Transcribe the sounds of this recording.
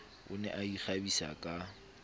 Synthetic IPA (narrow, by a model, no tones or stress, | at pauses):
ʊ̰nɛ̰ʔaiχabisa̰kʼa